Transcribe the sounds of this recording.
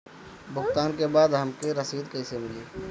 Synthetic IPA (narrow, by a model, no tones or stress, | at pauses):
bʊkt̪aːnkebaːd̪ɦəmkeɾəsiːd̪kəɪsemɪliː